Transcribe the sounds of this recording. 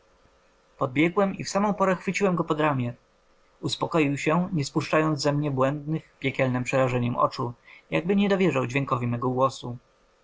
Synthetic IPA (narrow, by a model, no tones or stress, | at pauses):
pɔd̪̚bʲjɛɡwɛmifsamɔ̃w̃pɔɾɛxfɘt͡ɕiwɛmɡɔpɔd̪ɾamʲjɛ | uspɔkɔjiwɕɛɲɛspuʂt͡ʂajɔnd̪zɛmɲɛbwɛnd̪nɘxpʲjɛkʲɛlnɛmpʂɛɾaʐɛɲɛmʔɔ̰t͡ʂujaɡ̚bɘɲɛd̪ɔvʲjɛʐawd͡ʑvʲjɛŋkɔvʲimɛɡɔɡwɔsu